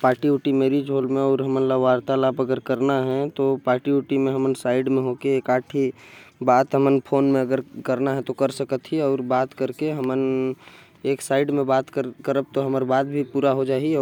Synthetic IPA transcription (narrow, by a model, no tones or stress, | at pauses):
paːɾʈiuʈimeːɾid͡ʒʱoːlmẽɔːɾɦəmənlaʋaːɾt̪alaːpəɡəɾkəɾnaɦɛ̃t̪opaːɾʈiuʈimẽɦəmənsaːɪɖmẽɦoːkeeːkaːʈʰibaːt̪ɦəmənpʰoːnmẽəɡəɾkəɾnaɦɛ̃t̪okəɾsəkət̪ɦiɔːɾbaːt̪kəɾkeɦəmən | eːksaːɪɖmẽbaːt̪kəɾkəɾəb̚t̪oɦəməɾbaːt̪̚bʱipuːɾaɦod͡ʒaːiː